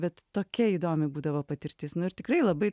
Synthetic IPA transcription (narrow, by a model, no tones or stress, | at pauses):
bʲɛt̪ːoːkʲɛiːd̪oːmʲɪbuːd̪ɐʋoːpɐt̪ʲɪɾʲt̪ʲɪsnʊɪɾt̪ʲɪkrɐɪlˠɐbɐɪ